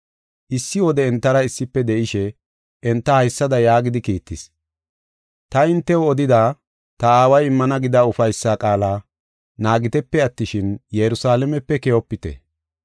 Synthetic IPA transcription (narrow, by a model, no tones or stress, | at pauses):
ʔɪsːɪwɔd̪ɛɛnt̪ːɐɾɐɪsːɪpːɛd̪ɛʔɪʃɛ | ɛnt̪ːɐhɐjsːɐd̪ɐjaːɡɪd̪ɪkiːt̪ːɪs | t̪ɐɪnt̪ːɛɔɔd̪ɪd̪aː | t̪ɐaːwɐjɪmːɐnɐɡɪd̪aʊfɐjsːaːkʼaːlaː | naːɡɪt̪ɛpːɛɐt̪ːɪʃɪnjɛɾʊsaːlɛmɛpːɛkɛjɔpːɪt̪ɛ̰